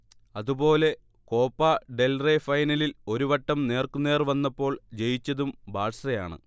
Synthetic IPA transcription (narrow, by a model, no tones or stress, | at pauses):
ɐðubo̞ːle̞ | ko̞ːpːaːɖe̞lrefɐjnɐlilo̞ɾuʋɐʈːɐmne̞ːrkune̞ːrʋɐnːɐpːo̞ːɭd͡ʑe̞jit͡ɕːɐðumbaːʈsrɐja̰ːɳɨ̰